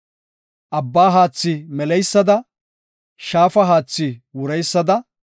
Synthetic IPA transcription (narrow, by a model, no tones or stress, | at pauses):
ʔɐbːaːɦaːt͡sːɪmɛlɛjsːɐd̪ɐ | ʃaːfɐɦaːt͡sːɪwʊɾɛjsːɐd̪ɐ